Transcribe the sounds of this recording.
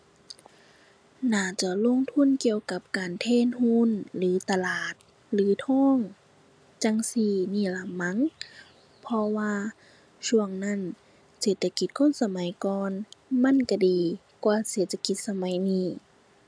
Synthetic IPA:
naː˧˩t͡ɕa˧˩lo˧˥˨ŋt̪ʰu˧˥˨nki˧əwka˧˦p̚kaː˨nt̪ʰeː˧˥˨nhuː˧˥˨nlɯː˨˦t̪a˧laː˨˩t̪̚ | lɯː˨˦t̪ʰɔː˧˥˨ŋ | t͡ɕa˧˨ŋsiː˧˩niː˧˥˩la˨˦mːa˧˥˨ŋ | pʰɔ˧waː˧ | t͡ɕʰu˧˩əŋna˧˥˨n | seː˨˩t̪ʰːa˧ki˨˧˦t̪̚kʰo˧˥˨nsa˧ma˨˦jkɔː˧nma˧˥˨nka˧˩diː˨ | kwaː˧seː˨˦t̪̚ʰːa˧ki˧˦t̪̚sa˧ma˨˦jniː˧˩

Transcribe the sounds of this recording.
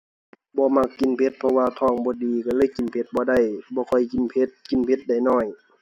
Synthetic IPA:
bɔː˧˦ma˧˩kːi˨npʰe˧˦t̪̚pʰɔ˧waː˧t̪ʰɔː˧˩˨ŋbɔː˧˦diː˨ka˧˩lɤː˧˥˨jki˨npʰe˧˦t̪̚bɔː˧˦da˧˩˨jbɔː˧˦kʰɔ˧˩jki˨npʰe˧˦t̪̚ki˨npʰe˧˦t̪̚da˧˩jnɔː˧˩j

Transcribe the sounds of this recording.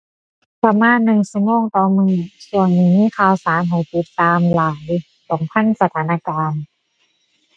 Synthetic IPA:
pa˧maː˧˥˨nːɯ˨˩ŋsɯ˧˦ŋoː˧˥˩ŋt̪ɔː˧˩mɯː˧˩su˧˩ənːi˧˩miː˧˥˨kʰaː˧˩wsaː˨˦mɦa˨˩jt̪i˧˦t̪ːaː˧mlaː˨˦j | sɔ˨˩˦ŋpʰa˧˥˨nsa˧t̪ʰaː˨˦naː˧˨kaː˧n

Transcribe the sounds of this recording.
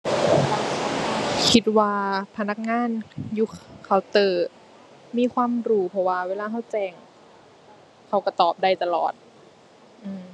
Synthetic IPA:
kʰi˧˦t̪̚waː˧pʰa˧na˧˥k̚ŋaː˧˥˨njuː˧˩kʰa˧˩wt̪ɤː˨˩ | miː˧˥˨kʰwaː˧˥˨mɾuː˧˩pʰɔ˧˩waː˧weː˧˨laː˧ɦa˧˥˩wt͡ɕɛː˧˩ŋ | kʰa˧˩wka˧˩t̪ɔː˨˩p̚da˧˩jt̪a˧lɔ̰ː˨˩t̪̚ | ʔɯː˧˩m

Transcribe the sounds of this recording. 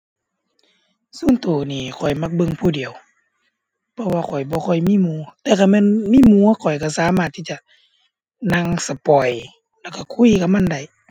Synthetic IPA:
suː˧˥˨nt̪oː˨˩niː˧˩kʰɔ˨˩jma˧˩k̚bɤ˧˨ŋpʰuː˧˨di˨əw | pʰɔ˧waː˧kʰɔ˨˩jbɔː˧˦kʰɔ˧˩jmiː˧˥˨muː˧˦t̪ɛː˧˩kʰa˧˩mɛː˧˥˨nmiː˧˥˨muː˧˦ɐ˦˨kʰɔ˨˩jka˧˩saː˨˦maː˧˨t̪ʰːiː˧˩˨t͡ɕa˧˨ | na˧ŋsa˧pɔ˨˩j | lɛ˧˩wka˧˩kʰu˧˥˨jka˧˦ma˧˥˨nda˧˩j

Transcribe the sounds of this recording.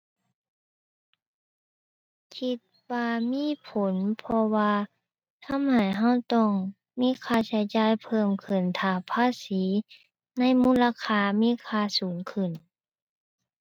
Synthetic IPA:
kʰi˧t̪̚waː˧miː˧˥˨pʰo˨˦npʰɔ˧waː˧ | t̪ʰa˧˥˨mha˨˩jɦa˧˥˩wt̪ɔ˧˩ŋ | miː˧˥˨kʰaː˧˩sʰa˨˦jt͡ɕaː˧˥˨jpʰɤː˧˥˩mkʰɯ˧˩nt̪ʰaː˨˩pʰaː˧˥˨siː˨˦ | na˧˥˨jmuː˧˥˨laː˧kʰaː˧˨miː˧˥˨kʰaː˧˨suː˩˦ŋkʰɯ˧˩˨n

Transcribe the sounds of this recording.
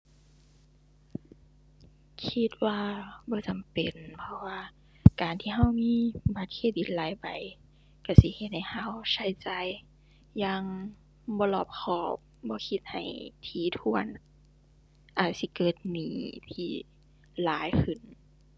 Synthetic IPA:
kʰi˧˥t̪̚waː˧bɔː˧˦t͡ɕa˨mpe˨npʰɔ˧waː˧ | kaː˨˩nt̪ʰiː˧ɦa˧˨wmiː˧˥˨ba˧˩t̪̚kʰeː˧˩t̪̚di˨˦t̪̚laː˨˦jpa˨˩j | ka˧˩si˧˦he˧˦t̪̚ha˨˧˩jha˧˩˨wsa˧˩jt͡ɕaː˨˧˩jː | aː˧˩ŋ | bɔː˧˦lɔː˧˩p̚kʰɔː˧˩p̚bɔː˧˦kʰi˧t̪̚ha˨˩jt̪ʰiː˨˩˦t̪ʰu˧˥ən | ʔaː˨˩t̪̚si˧˦kɤː˨˩t̪̚niː˨˦t̪ʰiː˧˩ | laː˨˦jkʰɯ˧˩˨n

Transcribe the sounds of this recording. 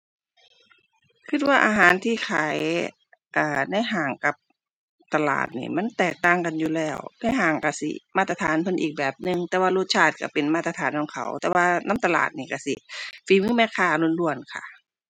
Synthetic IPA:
kʰɯ˧˩t̪̚waː˧ʔa̰ː˧ɦaː˨˦nt̪ʰiː˧˩kʰaː˨˦j | ʔaː˧˩na˧˥˨jɦaː˨˩ŋka˧˦p̚ | t̪a˧la̰ː˨˩t̪̚nḭː˧˩ma˧˥˨nt̪ɛː˨˩k̚t̪aː˧˩˨ŋka˨njuː˧˩lɛː˧˩wna˧˩˨jɦaː˨˩ŋka˧˩sḭ˧˩maː˧˩t̪̚ːa˧t̪ʰaː˨˦npʰɤ˧˨nʔiː˨˩k̚bɛː˨˩p̚nɯ˧ŋt̪ɛː˧waː˧luː˧˩t̪̚t͡ɕʰaː˧˩t̪̚ka˧˩pe˨nmaː˧t̪̚ːa˧t̪ʰaː˨˦nkɔ˨˧˦ŋkʰa̰˨˦wt̪ɛː˧waː˧nʔa˧˥˨mt̪a˧la̰ː˨˩t̪̚niː˧˩ka˧˩si˧˦fiː˨˦mɯː˧˥˨mɛː˧˥kʰaː˧˩lu˧˥˨nlu˧˩ənkʰa̰˧˩

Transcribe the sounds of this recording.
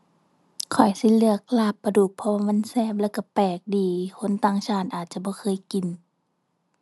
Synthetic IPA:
kʰɔ˨˩jsi˧˦lɯ˧˨ək̚laː˧˩pːa˧duː˨˩k̚pʰɔ˧aː˧ma˧˥˨nsɛː˧˥˨p̚lɛː˧˩wka˧˩pɛː˨˩k̚diː˨˦kʰo˧˥˨nt̪aː˧˩ŋsʰaː˧˩˨nʔaː˨˩t̪̚t͡ɕa˧˦bɔː˧˦kʰɤː˧˥˨jki˨n

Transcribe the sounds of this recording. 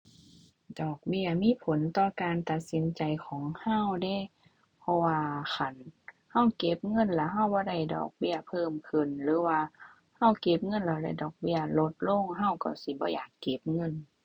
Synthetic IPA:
dɔː˨˩k̚bi˧˩ɐmiː˧˥˨pʰo˨˦nt̪ɔː˧kaː˨nt̪a˧t̪̚si˨˦nt͡ɕa˨jkʰɔː˨˦ŋha˧˥˨wda˧˩˨ | pʰɔ˧waː˧kʰa˧˩n | ha˧˥˨wke˧˥p̚ŋɤ˧˥˨nla˧˩ɦa˧˥˨wbɔː˧˦da˧˩jdɔ̰ː˨˩k̚bi˧˥˩ɐpʰɤː˧˩˨mkʰɯ˨nlɯː˨˦waː˧ | ha˧˥˩wke˧˥p̚ŋɤ˧˨nla˧˩wla̰˧˩˨dɔː˨˩k̚bi˧˩ɐlo˧˦t̪̚lo˧˥˨ŋɦa˧˩˨wka˧˩si˧˦bɔː˧˦jaː˨˩kːe˧˦p̚ŋɤ˧˥˨n

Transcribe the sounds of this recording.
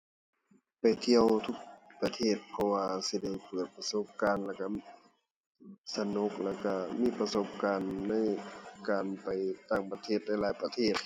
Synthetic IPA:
pa˨˩jt̪ʰi˧əwt̪ʰu˧˩k̚pa˧t̪ʰeː˧˥˩t̪̚pʰɔ˧waː˧si˧da˧˩jpɤː˨˩t̪̚pa˧so˧˥p̚kaː˧˨nlɛː˧˩wka˧ | sa˧no˧˥k̚lɛː˧˩ka˧˩miː˧˥˨pa˧so˧˥p̚kaː˨nːa˧˥˨jkaː˨npa˨˩jt̪aː˧˩ŋpa˧t̪ʰeː˧˩t̪̚na˧˥˩jlaː˨˦jpa˧t̪ʰeː˧˥˩t̪̚

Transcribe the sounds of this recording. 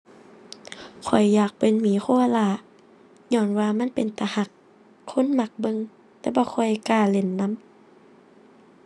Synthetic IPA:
kʰɔ˨˩jːaː˨˩k̚pe˨nmiː˨˦xʰoː˧˨˧laː˧˩ | ɲɔː˧˩˨nwaː˧ma˧˥˨npe˨nt̪a˧ha˧˩k̚ʰː | o˧˥˨nma˧˦k̚bɤ˧˨ŋ | t̪ɛː˧˦bɔː˧˦xʰɔ˧˩jkaː˧˩le˨˧˩nːa˧˥˨m

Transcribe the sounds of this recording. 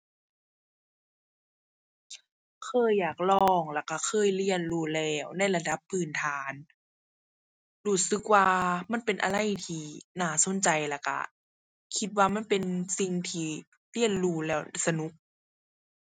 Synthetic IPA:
kʰɤː˧˥˨jːaː˨˩k̚lɔː˧˩ŋla˧˩kːa˧˩kʰɤː˧˥˨jli˧˥˩ənluː˧˩lɛː˧˩wna˧˥˨jla˧da˧˦pʰːɯː˧˩nt̪ʰaː˨˦n | duː˧˩sɯ˧˦k̚waː˧ma˧˥˨npe˨nʔa̰˨˧la˧˨jt̪ʰiː˧˩naː˧˩so˧˥˨nt͡ɕa˨jla˧˩ka̰˧˩ | kʰi˧˦t̪̚waː˧ma˧˥˨npe˨nsi˧ŋt̪ʰiː˧ | li˧˥˨ənluː˧˩lɛː˧˩wsa˧nu˧˦˥k̚

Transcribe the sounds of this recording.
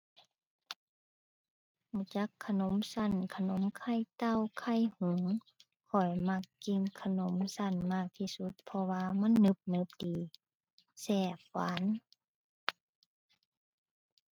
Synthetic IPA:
hu˧˩t͡ɕa˧˦˥kʰːa˧no˧˦msa˧˩˨nkʰa˧no˧˦mkʰa˧˥˨jt̪a˧˥˨wkʰa˧˥˩jhu˧˩˦ŋ | kʰɔ˨˩jma˧k̚ːi˧˨ŋkʰa˧no˨˦msa˧˩˨nmaː˧˩k̚t̪ʰiː˧˩su˧˦t̪̚pʰɔ˧waː˧ma˧˥˨nːɯ˧˦p̚nɯ˧˦p̚diː˨˦ | sɛː˧˩wa̰ː˨˦n

